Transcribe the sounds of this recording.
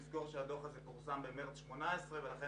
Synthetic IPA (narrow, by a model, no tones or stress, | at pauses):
zɡoʁʃead̪oχazɛpuʁsambemeʁt͡sʃmonaesʁevelaχe